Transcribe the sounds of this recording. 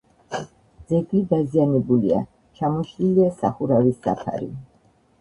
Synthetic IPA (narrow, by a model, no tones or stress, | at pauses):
d̪z̥ɛɡlid̪azianɛbulia̰ | t͡ʃʰamɔʃliliasa̰χuɾavisːa̰pʰa̰ɾḭ